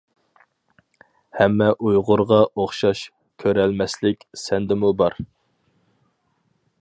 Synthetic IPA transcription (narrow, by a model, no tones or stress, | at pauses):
hɛmːɛʔujʁʊɾʁɑʔoχʃɑʃ | kʲʰøɾɛlmɛslɪkʲsɛnd̪ɪmubɑɾ